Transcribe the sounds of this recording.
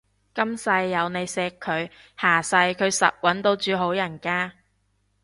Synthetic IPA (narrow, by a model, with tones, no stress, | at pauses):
kɐ˥msɐ˧jːɐ˨˧wne˨˧jsɛː˧kʰːɵ˨˧ɥ | haː˨˩sɐ˧jkʰɵ˨˧ɥsɐ̰˨t̚wɐ˨˥nt̪o˧wt͡ʃyː˨˧ɦo˨˥wjɐ˨˩nkaː˧